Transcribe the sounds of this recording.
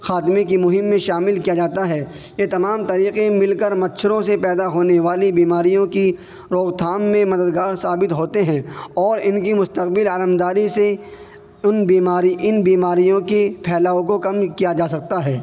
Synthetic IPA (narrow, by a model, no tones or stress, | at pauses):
xaːt̪ɪmẽkimʊɦɪmːẽʃaːmɪlkijad͡ʒaːt̪aɦɛː | jet̪ɐmaːmt̪ɐɾiːqẽmɪlkəɾmɐt̪ːʃʰəɾõsepɛːd̪aɦoːneʋaːlibiːmaːɾijõki | ɾoːɣt̪ʰaːmːẽmɐd̪əd̪ɡaːɾsaːbɪt̪ɦoːt̪eɦɛ̃ːɔːɾɪnkimʊst̪əqbɪlaːɾəmd̪aːɾise | ʊnbiːmaːɾiʔɪnbiːmaːɾijõkepʰɛːlaːõkokɐmkijad͡ʒaːsɐk̚t̪aɦɛː